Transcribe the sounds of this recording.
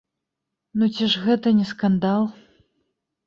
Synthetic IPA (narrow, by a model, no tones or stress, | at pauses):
nut͡sʲiʐɣɛt̪ɐnʲɛskand̪alˠ